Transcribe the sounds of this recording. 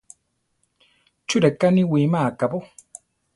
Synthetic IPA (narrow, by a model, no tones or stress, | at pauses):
t͡ʃʊɾekaniwimakabo